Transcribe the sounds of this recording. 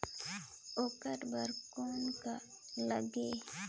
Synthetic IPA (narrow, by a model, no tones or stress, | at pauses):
okəʈbəɾkonka | ləɡe